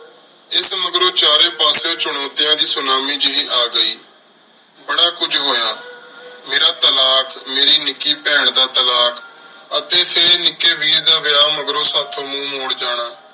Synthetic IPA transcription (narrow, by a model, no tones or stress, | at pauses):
ɪsməɡɾõːt͡ʃaːɾeːpaːsõːt͡ʃʊɳoːt̪ɪjãːd̪iːsʊnaːmiːd͡ʒɪiːʔaːɡəiː | bəɽaːkʊd͡ʒɦoːjaːmeːɾaːt̪əlaːkmeːɾiːnɪkːiːpɛːɳd̪aːt̪əlaːk | ət̪eːpʰeɾnɪkːeːʋiːɾd̪aːʋɪaːməɡɾõːsaːt̪ʰːõːmũːmoːɽd͡ʒaːɽaː